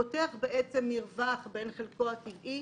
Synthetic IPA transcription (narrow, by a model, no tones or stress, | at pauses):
oteaχbeʔet͡semːiʁvaχbe̞nχelkoativʔi